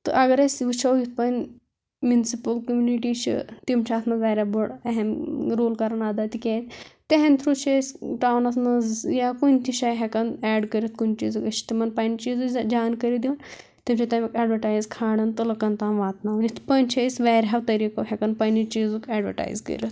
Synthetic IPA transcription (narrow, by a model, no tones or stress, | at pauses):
t̪ɨ̰ʔɐɡɐɾɐsʲʋit͡ʃʰɐwjit̪̚ʰpɐn | mʲunsipɐlkəmjuniʈit͡ʃʰḭt̪imt͡ʃʰaːt̪ʰnɐʋaɾʲaboɽɐɦɛmɾoːlkɐɾɐnaːd̪at̪ikʲaːt̪ʲt̪eɦẽnt̪ʰɾut͡ʃʰesʈaːwnɐsnɐzjakunʲt̪ʰiʃajɦɛkɐnɛːɖkəɾʲit̪̚kunt͡ʃḭːzɨkɐt͡ʃi̥t̪imɐnpanit͡ʃiːzud͡ʒaːnkɐɾid̪iʋn | t̪imt͡ʃʰat̪aːmikɛɖʋɐʈaːjzkʰaːɽɐnt̪ɨlɐkɐnt̪aːnʋaːt̪naʋnit̪ʰpɐnʲt͡ʃʰɐsʲʋaːɾʲawt̪ɐɾikɐɦɛkɐnpɐnit͡ʃiːzukɛːɖʋə̰ʈa̰ːjzkə̰ɾʲɐt̪